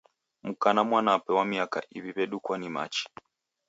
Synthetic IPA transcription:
mukanamwanapɛwamiaka̰ʔiβiβɛɗukwanima̰t͡ʃi̥

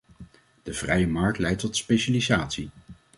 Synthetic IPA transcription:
d̥əv̥rɛjəmɑɹk̚tlɛjtɔtspejʃalizaːtsi

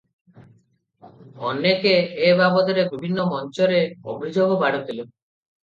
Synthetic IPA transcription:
ɔnekeːbabɔd̪ɔɾebibʱinːɔmɔnt͡ʃɔɾeobʱid͡ʒoɡobaɽɔt̪ʰilu

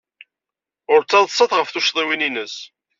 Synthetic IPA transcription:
ʊɾt͡sːɑðˤsˤːɑθʁəfθuʃðˤiwininəs

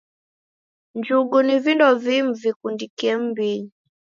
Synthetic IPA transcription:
ɲd͡ʒuɡunivindɔvim̩vikundikɛm̩biɲi

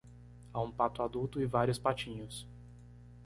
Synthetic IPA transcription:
aũpat̪ʊad̪uwt̪ʊɪvaɾjʊspat͡ʃĩɲʊs

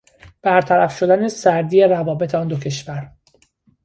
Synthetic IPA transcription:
b̥æɾt̪ʰæɾæfʃo̞d̪ænesæɾd̪iːeɾævɒːbe̞t̪ʰeɒːnd̪ocʰe̞ʃvæɾ

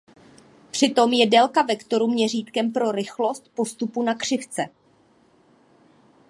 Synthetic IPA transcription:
pr̝̥ɪt̪o̞mjɛdɛlkavɛkt̪o̞ɾumɲɛriːt̪kɛmpɾo̞ɾɪxlo̞st̪̚po̞st̪upunakr̝̥ɪft͡sɛ

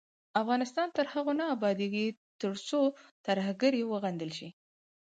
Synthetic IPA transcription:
afɣɑnɪst̪ɑnt̪əɾhaɣonaːbɑd̪eɡit̪əɾt͡sot̪aɾhaɡaɾjewəɣand̪əlʃi

